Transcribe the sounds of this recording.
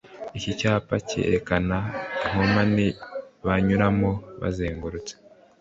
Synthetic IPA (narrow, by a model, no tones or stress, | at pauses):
icicaːpacḛɾekanaŋ̥omaniβaɲuɾamoβa̰zeːŋɡuɾut͡se̥